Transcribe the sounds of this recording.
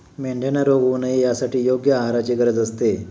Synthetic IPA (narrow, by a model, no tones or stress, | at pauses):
meɳɖʱenaɾoɡunaɦijasaʈiːjoɡjəaɦaɾat͡ɕeɡəɾəd͡zəst̪e